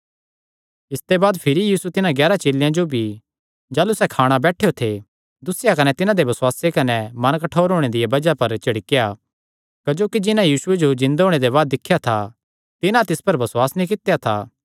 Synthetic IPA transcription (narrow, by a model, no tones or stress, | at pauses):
ɪst̪ebaːd̪pʰɪɾijiːsut̪ɪnãɡjɛːɾat͡ʃeːljãd͡ʒobʱi | d͡ʒaːlusɛkʰaːɽ̃abɛːʈʰejot̪ʰe | d̪ʊsɪjakɐnɛt̪ɪnãd̪ebɐsʊaːsekɐnɛmɐnkɐʈʰoːɾɦoːɽ̃ed̪ɪjabɐd͡ʒapɐɾt͡ʃɐɽɪkeja | kɐd͡ʒoːkid͡ʒɪnãjiːsʊed͡ʒod͡ʒɪ̃nd̪aɦoːɽ̃ed̪eβaːd̪ːɪkʰːjat̪ʰa | t̪ɪnãt̪ɪspɐɾbɐsʊaːsnĩk̬ɪt̪ejat̪ʰa̰ː